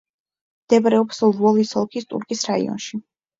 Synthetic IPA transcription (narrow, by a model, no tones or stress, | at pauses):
md̪̥ɛbɾɛɔpslˠvɔlisɔlˠkʰist̪ʼṵɾkʼisɾaḭɔ̰nʃi